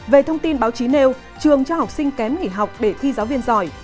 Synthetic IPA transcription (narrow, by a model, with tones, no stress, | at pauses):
ve˨˩t̪ʰə˧wŋ͡mt̪i˧nɓaː˨˦wt͡ɕi˨˦ne˧w | t͡ɕɨ˨˩əŋt͡ɕɔ˧ha˨˩wk͡p̚sï˧ŋ̟kɛ˨˦mŋḭ˧˩ɦa˨˩wk͡p̚ɗe˧˩t̪ʰi˧zaː˨˦wvi˧ənzɔ˧˩j